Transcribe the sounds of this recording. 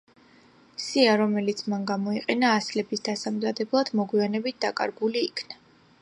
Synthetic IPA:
siaɾɔmɛlit̪sʰmanɡamɔiqʼɛnaːslɛbisd̪asamzad̪ɛblˠad̪̥mɔɡwianɛbit̪̚ʰd̪akʼa̰ɾɡuliːkʰna

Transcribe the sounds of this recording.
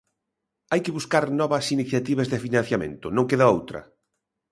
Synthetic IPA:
ajkɪβuskaɾnɔβɐsiniθjat̪iβɐzðɪfinãn̟θjamḛ̃nt̪ʊnõŋkeðaowt̪ɾɐ̰

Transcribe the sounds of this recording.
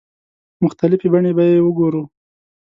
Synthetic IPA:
mʊxt̪alɪfebaɳebajewəɡoɾu

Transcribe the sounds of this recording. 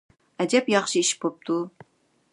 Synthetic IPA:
ɛd̪ɛpjɑχʃɨiʃbop̚t̪ʰu

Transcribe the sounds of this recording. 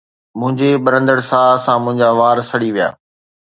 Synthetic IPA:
mʊ̃ɦɪ̃ɲd͡ʑeɓɐɾə̃nd̪əɽsaːsãmʊ̃ɦɪ̃ɲd͡ʑaʋaːɾsɐɽiʋija̰ː

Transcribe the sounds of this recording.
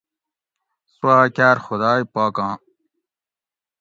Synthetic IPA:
swaːkʲaːɾxʊd̪aːjpaːkãː

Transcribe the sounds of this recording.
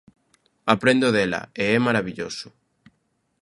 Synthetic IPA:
apɾẽnd̪oðɛlɐ̰eɛmaɾaβiʎosʊ̥

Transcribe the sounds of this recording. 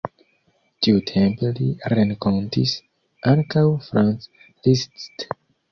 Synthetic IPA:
tiutʰempliɾẽŋkontis | ʔaŋkawfɾãns | listst

